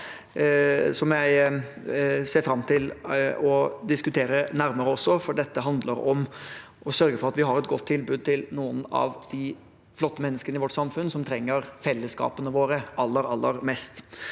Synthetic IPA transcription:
sɔmjæɪ | seːɾfɾɑmːt̪ʰɪlɔd̪ɪskʉt̪ʰeːɾənæɾməɾəɔsːɔfɔɖɛt̪ːəɦɑnd̪ləɾɔm | ʔɔsœɾɡəfɔɾɑt̪ʋɪɦɑɾɛt̪ɡɔt̪ʰːɪlbʉːd̪̚t̪ʰɪlnuːənɑ̰ʋd̪̥ɪ | flɔt̪ːəmɛnːəskənəɪʋɔʈːsɑmfʉnːsɔmt̪ʰɾɛŋːəɾfɛlːəskɑ̰ːpənəʋoːɾəɑlːəɾɑlːəɾmɛst̪

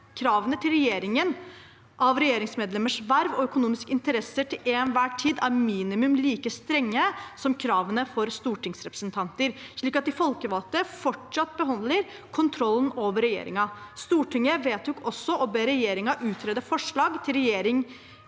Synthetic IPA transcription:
kʰɾɑːʋənət̪ʰɪlɾɛjeːɾɪŋən | ʔɑʋɾɛjeːɾɪŋsmeːd̪lɛməʂʋæɾʋɔœkʊnuːmɪskɪnt̪əɾɛsːəʈʰɪleːnʋæːʈʰiːd̪æɾmiːnɪmʉmliːkəst̪ɾɛŋːəsɔmkʰɾɑːʋənəfɔɾst̪uːʈɪŋsɾɛpɾə̥sənt̪ʰɑnt̪əɾʂɭiːkɑt̪̚d̪ɪfɔlkəʋɑlt̪əfɔʈʂɑt̪̚ːbəɦɑnd̪ləɾ | kʰʊnt̪ʰɾɔlːənoːʋəɾɛjḛːɾɪ̰ŋɑst̪uːʈʰɪŋːəʋeːt̪jʊkɔsːɔʔɔbeːɾɛjeːɾɪŋɑʔʉːt̪ʰɾeːd̪əfɔʂɭɑːɡt̪ʰɪlɾɛjeːɾɪŋ

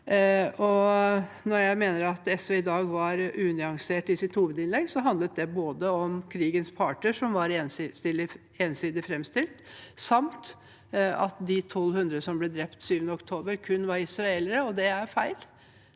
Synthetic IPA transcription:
ɔ | nɔɾjæɪmeːnəɾɑt̪ɛsœɪd̪ɑːɡʋɑɾʔʉːnɪɑŋseːʈɪsɪt̪huːʋəd̪ɪnlɛɡsɔɦɑnd̪lət̪̚d̪ɛboːd̪əɔmkʰɾiːɡənspʰɑːʈəʂɔmʋɑɾensst̪ɪlɪ | eːnsiːd̪ɪfɾɛmst̪ɪlt̪sɑmt̪ | ɑ̰t̪d̪ɪt̪ʰɔlhʉnd̪ɾəsɔmblɛd̪ɾɛpt̪syːʋənəɔkt̪ʰoːbəɾkʰʉnːʋɑɾɪsɾɑeləɾəɔd̪ɛæɾfæɪl

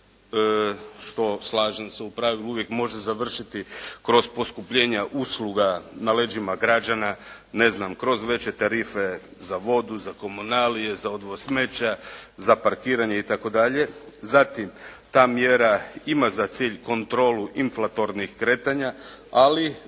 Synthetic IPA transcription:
əʃt̪o̞slˠaːʒenseupɾaʋilˠuuʋjekmo̞ʒezaʋr̩ʃit̪ikɾo̞zpo̞skupʎe̞ːɲaʔuːsluɡanale̞d͡ʒimaɡɾad͡ʑana | ne̞znamkɾo̞zʋe̞t͡ɕe̞t̪aɾiːfe̞ | zaʋo̞d̪uzako̞munalije̞zaod̪ʋosme̞t͡ɕazapaɾkiːɾaɲeit̪ako̞d̪aʎe̞ | zat̪imt̪aːmjeɾaimazat̪siːʎko̞nt̪ɾo̞ːluʔinflˠat̪o̞ɾnixkɾe̞ːt̪aɲaali

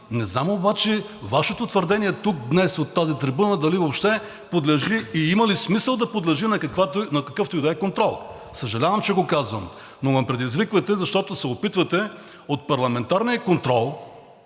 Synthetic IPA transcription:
nɛznamobat͡ʃɛ | vaʃɛt̪ot̪vəɾd̪ɛniɛt̪uk̚d̪nɛsot̪ːazit̪ɾibunəd̪ɐlivopʃt̪ɛ | pod̪lɛʒiːimɐlismisəlˠd̪ɐpod̪lɛʒinɐkɐkvat̪onɐkɐkɤft̪ojd̪ɛkont̪ɾɔlˠ | səʒɐlʲavɐmt͡ʃɛɡokazvəm | novɐmpɾɛd̪izvikvɐt̪ɛzɐʃt̪ɔt̪osɛopit̪vɐt̪ɛ | ot̪̚pɐɾlˠɐmɛnt̪aɾnijəkont̪ɾɔlˠ

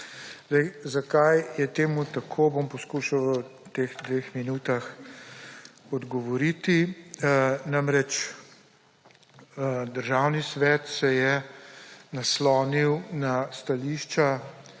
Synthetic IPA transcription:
zd̪ɛjzakajjɛt̪eːmut̪akʰobompɔskuʃawət̪eːɣd̪ʋexminuːt̪ax | ɔd̪ɡɔʋɔɾit̪i | namɾɛt͡ʃ | d̪əɾʒawnisʋɛːt̪sɛjɛ | naslɔːniwnast̪aliʃt͡ʃa

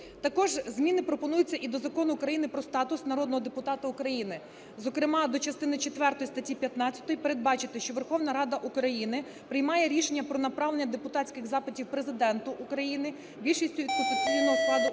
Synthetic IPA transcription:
t̪ɐkɔʒzʲmʲinɪpɾɔpɔnujʊt͡sʲːɐʔid̪ɔzɐkɔnʊːkɾɐjinɪpɾɔst̪ɑt̪ʊsnɐɾɔd̪nɔɦɔd̪epʊt̪ɑt̪ɐukɾɐjinɪ | zɔkɾɪmɑd̪ɔt͡ʃɐst̪ɪnɪt͡ʃet̪ʋɛrt̪ɔjst̪ɐtʲipʲjɐt̪nɑt͡sʲːɐ̥t̪ɔjipeɾe̞d̪̚bɑt͡ʃɪt̪ɪʃt͡ʃɔʋerxɔwnɐɾɑd̪ɐʔukɾɐjinɪ | pɾɪjmɑjɛɾʲiʃenʲːɐpɾɔnɐpɾɑʋlˠenʲːɐd̪epʊt̪ɑtʲt͡sʲkɪɣzɑpɪtʲiwpɾezɪd̪ɛnt̪ʊʔukɾɐjinɪ | bʲilʲʃisʲtʲʊʋʲid̪pɔt̪ʲɪsʲijnɔɦɔɑd̪ʊ

